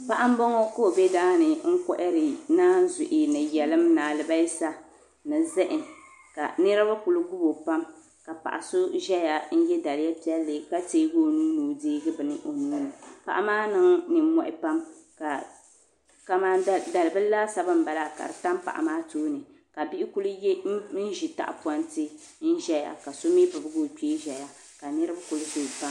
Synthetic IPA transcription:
pa˦ʔa˦m˦bɔ˦ŋɔ˦ko˦˨bɛ˦daː˦nɨ˨ŋ̩˦kɔ̰˦ʔɪ˦ɾɪ˨naː˦n˦zʊ˨ʔɪ˨nɨ˨jɛ˨lɨ˦mnaː˨lɨ˨ba˦ji˦sa˦ | nɨ˨zɪ˦ʔɪ˨n | ka̰˨nɨ˦ɾa˦ba˦ku˨lʊ˦ɡu˦bo˨pa˦m | ka˨pa̰˨ʔa˨sʊ˦ʒɛ˦ja˨n̩˦jɛ˦da˨lɪ˨˦ja˦pi˦ɛ˦lːɨ˨ka˦teː˦ɡo˦nuː˦nuː˨diː˦ɡɨ˦bɨ˨nɨ˦ʔo˨nuː˦nɨ˨pa̰˨ʔa˨maː˦nɨ˦ŋnɨ˨˦mɔ˦ʔɪ˦pa˦mka˨ | ka˨maː˦˨da˨lɨ˨bɨ˦la˦sa˦bɨ˦m̩˨ba˨la˦˨ka̰˨ɾɨ˨ta˦mpa̰˨ʔa̰˨maː˦toː˦nɨ˨ | ka˨bi˦ɪ˦ku˦lʊ˦j̩˦ʒi˨ta̰˦ʔa̰˨pɔ˦ntɨ˦ | n̩˦ʒɛ˦ja̰˨ka˨so˦mi˦bɨ˨bɨ˦ɡo˦k͡peː˦ʒɛ˨ja˦ | ka˨nɨ˦ɾɨ˦ba˦kʊ˨lʊ˦so˦˨pa˦m

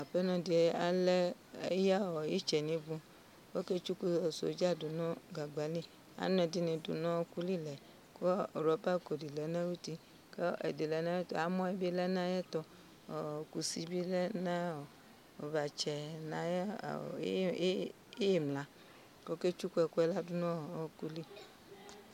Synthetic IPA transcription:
a˨ɸɛ˦nɔ̃˨di˨ɛ˦a˦lɛ˦ | e˦ja˦˨wɔ˨je˦t͡ʃɛ˨nĩ˨˦vũ˦ | ko˦ke˦t͡ʃu˦ku˦˨so̰˨˦d͡ʒa˦du˨nɔ̃˦ɡa˨ɡ͡ba˨li˦ | a̰˦nɔ̃˨di˦nẽ˨dṵ˨nɔ̃˦ku˦li˦lɛ˨ | ko˦˨ɾɔ˨pa˦˨ko˨di˨lɛ˨nã˦wu˦t̪i˦ | ke˦ḛ˨de˨lɛ˨˦nã˦e˦ta˨mɔ̃˦ɛ˦bi˦lɛ˦nã˦jɛ˦t̪ɔ˨ | ku˨si˦bi˦lɛ˦nã˦˨ | o˨va˨t͡ʃɛ˨nã˨jɛ̰˦˨˦ | je˨mlã˨ | ko˦ke˦t͡ʃu˦ku˦ɛ˨ku˦ɛ˦la˦du˦nɔ̃˦˨ɔ˦ku˦li˦

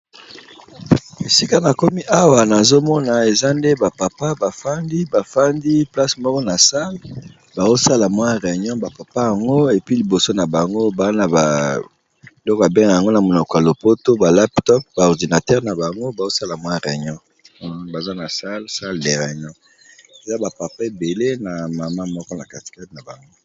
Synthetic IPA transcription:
e˨si˦ka˦na˨ko˦mi˦ʔa˦wa˨na˨zo˦mɔ˦na˨e˨za˦nde˦ba˨pa˨pa˦ba˨fa˦ndi˦ba˨fa˦ndi˦pla˦smɔ˦kɔ˦na˨sa˦l | ba˨zo˦sa˦la˨mwã˦ʁe˨ɲɔ̃˦ba˨pa˨pa˦ja˨ŋɡo˦e˨pi˦li˨bo˨so˦na˨ba˨ŋɡo˦ba˨a˦na˨ba˨ | e˨lɔ˦ka˨bɛ˦ŋa˨ja˨ŋɡo˦na˨mo˨nɔ˨kɔ˨a˨lo˨po˦to˦ba˨la˦ptɔ˦p̚ba˨ɔ˨ʁdi˨na˨tɛ˦ʁna˨ba˨ŋɡo˦ba˨zo˦sa˦la˨mwã˦ʁe˨ɲɔ̃˦ | ba˨za˦na˨sa˦lsa˦lde˨ʁe˨ɲɔ̃˦ | e˨za˦ba˨pa˨pa˦e˨be˨le˦na˨ma˨ma˦mɔ˦kɔ˦na˨ka˨ti̥˨kɛ˦tna˨ba˨ŋɡo˦

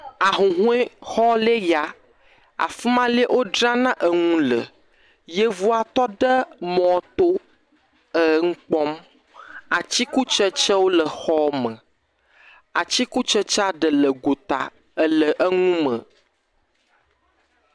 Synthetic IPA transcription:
a˨ɦũ˨ɦũ˦ɛ˦xɔ˦le˦ja˨ | a̰˨fi˦mã˦li˦ʔo˦ɖɾã˦nã˦ʔə˨ŋũ˦lə̰˨ | jə˦vu˦a˨t̪ɔ˦ɖə˦mɔ̃˨t̪o˦ | ə˨˦ŋ̩˦k͡pɔ˦m | a˨t͡ɕi˦ku˦t͡ʃə˦t͡ʃə˦wo˦lə˨xɔ˦mə̃˨ | a˨t͡ɕi˦ku˦t͡ʃə˦t͡ʃa˦ɖə˨lə˨ɡo˨t̪a̰˨ | ə˦lə˨ʔə˦ŋũ˦mə̃˨

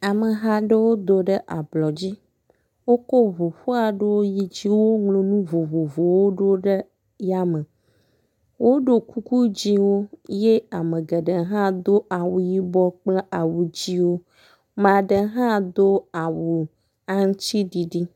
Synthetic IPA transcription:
a˨mə˨ɦa˦ɖə˦wo˦d̪o˨ɖə˦ʔa˨blɔ˨d͡ʑi˦ | wo˦kɔ˦vo˨ɸo˦a˨ɖə˦wo˦ji˦d͡ʑi˦wo˦ŋlo˨nũ˦vo˨vo˨vo˨wo˦ɖo˦ɖə˦ | ja˦mə˨ | wʔo˦ɖo˨ku˦ku˦d͡ʑi˦wo˦je˦a˨mə̃˨ɡə˨ɖə˨ɦã˦d̪o˦a˨wu˨ji˦bɔ˦k͡plə˦a˨wu˨d͡ʑi˦wo˦ | m˦ã˨ɖə˨ɦã˦d̪o˦a˨wu˨ | a˦ŋ̩˦t͡ɕi˦ɖi˨ɖi˦

